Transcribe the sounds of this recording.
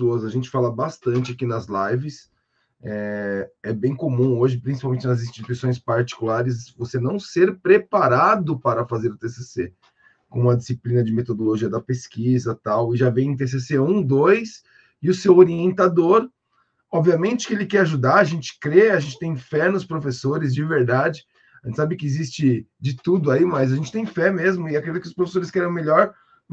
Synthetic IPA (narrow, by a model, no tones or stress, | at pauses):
oɐzɐʒẽnt͡ʃɪ̥falɐbast̪ɐ̃nt͡ʃɪakinɐzlajvɪs | ɛɛbẽj̃komũoʒɪpɾĩs̬ipawmẽnt͡ʃɪnɐzĩst͡ʃit̪uisõj̃spaɾt͡ʃi̥kulaɾɪs̬vosenɐ̃w̃seɾpɾepaɾad̪ʊpaɾɐfazeɾʊt̪esese | kõmʊ̃ɐd͡ʒisiplĩnɐd͡ʒɪmet̪od̪oloʒiɐd̪ɐpeskizɐt̪awɪʒavẽj̃t̪̬es̬eseũd̪ojs | ɪʊsewoɾiẽnt̪ad̪oɾ | ɔbviɐmẽnt͡ʃɪ̥kɪelɪkɛɾaʒud̪aaʒẽnt͡ʃɪ̥kɾeaʒẽt͡ʃɪ̥t̪ẽj̃fɛnʊspɾofesoɾɪzd͡ʒɪveɾd̪ad͡ʒɪ | ʒẽt͡ʃɪsabɪkɪːzist͡ʃɪ | d͡ʒɪt̪ud̪ʊaimɐjzaʒẽnt͡ʃɪ̥t̪ẽj̃fɛmezmʊɪakɾed͡ʒit̪ʊkɪʊspɾofe̥soɾɪskɛɾɐ̃w̃meʎɔɾ